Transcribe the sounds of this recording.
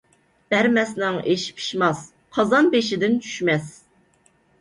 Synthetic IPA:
b̥æɾmɛsnɪŋeʃpʰi̥ʃmɑs | qʰɑzɑnbeʃɪd̪ɪnt͡ʃʰy̥ʃmɛs

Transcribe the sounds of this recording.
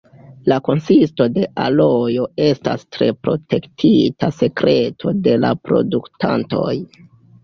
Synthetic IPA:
lako̞nsisto̞de̞ʔalo̞jo̞e̞sta̰stɾe̞pɾo̞̰tʰe̞ktʰitase̞kɾʔe̞tʰo̞de̞lapɾo̞̰duktʰa̰nto̞̰j

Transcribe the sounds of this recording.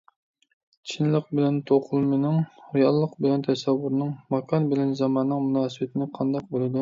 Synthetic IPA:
t͡ʃʰinlɪq̚bɪlɛnt̪ʰoqʰʊlˠmenɪŋhujɑlˠːəqbɪlɛnt̪ʰɛsɛwːuɾnɨŋmɑkʰɑnbɪlɛnzɑmɑnːɨŋmunɑːsɨbɪt̪ʰɪnɪqʰɑnd̪ɑq̚bolˠɨd̪u

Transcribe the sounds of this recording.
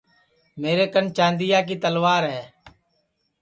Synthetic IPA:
meːɾeːkənt͡ʃãːnd̪ɪjaːk̬iːt̪əlʋaːɾɦɛː

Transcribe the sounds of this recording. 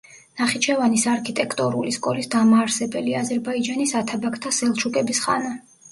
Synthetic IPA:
naχit͡ʃʰɛvanisaɾkʰit̪ʼɛkʰt̪ʼɔɾuliskʼɔlisd̪amaːɾsɛbɛliazɛɾbaid͡ʒanisat̪ʰabakʰt̪ʰasɛlˠt͡ʃʰukʼɛbisχa̰na

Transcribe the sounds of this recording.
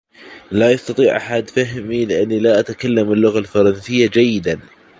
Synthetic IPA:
lajɑst̪ɑt̪ˤiːʕʔa̰ħad̪faɦmilɪʔanːilaʔat̪kalːamɪlːʊɣalfɑɾˤɑnsɪjːad͡ʒajːɪd̪an

